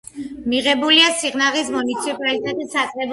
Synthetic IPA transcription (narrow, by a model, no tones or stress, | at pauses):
miʁɛbuliasiʁnaʁismunit̪sʰipʼalit̪ʼɛt̪ʼisat̪sʼʁʼɛb